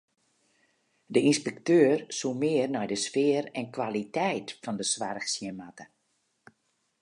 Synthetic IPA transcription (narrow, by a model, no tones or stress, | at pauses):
dəinspɛktøːrsumɪərnɛjdəsfɪərɛnkwalitɛjtfɔndəsʋarəxsjənmatə̥